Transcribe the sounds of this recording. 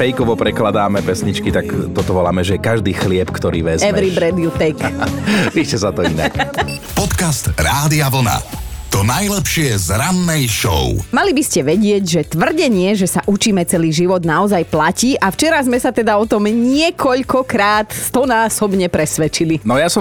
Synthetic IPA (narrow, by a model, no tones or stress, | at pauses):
fɛjkɔʋɔpɾɛklad̪aːmɛpɛsɲit͡ʃkit̪akt̪ɔt̪ɔʋɔla̰ːmɛʒɛjɛkaʒd̪iːxlɪɛpkt̪ɔɾḭːʋɛzɛɛɾibɾɛd̪iut̪ɛjkpiʃcɛsat̪ɔinak | pɔt̪kast̪ɾaːd̪iaʋl̩na̰t̪ɔnajlɛpʃɪɛzɾanːɛjʃɔ̰ʊmalibiscɛʋɛɟɪɛɟʒɛt̪ʋr̩ɟɛɲɪɛʒɛsaʔut͡ʃiːmɛt͡sɛliːʒiʋɔd̪naɔzajplaciːʔaft͡ʃɛɾazmɛsat̪ɛd̪aɔt̪ɔmɲɪɛkɔʎkɔkɾaːt̪t̪ɔnaːsɔbɲɛpɾɛsʋɛt͡ʃilinɔjasɔm